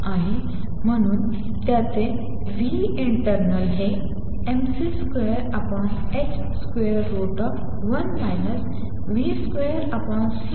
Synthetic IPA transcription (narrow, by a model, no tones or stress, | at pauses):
aɦe | m̤əɽ̃uːn | t̪jat͡se | ʋiiɳʈəɾnəlɦe | emsiskʋejəɾapəɳet͡ɕ | skʋeəɾːoʈəp | ʋənd̪ʱajləs | ʋiːskʋeəɾapəɳ